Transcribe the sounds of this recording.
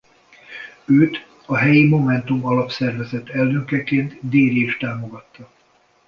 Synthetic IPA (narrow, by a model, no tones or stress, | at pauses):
øːt̪ | ɒɦɛjimo̞mɛnt̪umɒlɒpsɛrvɛzɛt̪ːɛlːøkɛkeːnt̪d̪eːɾiʃt̪aːmo̞ɡɒt̪ːɒ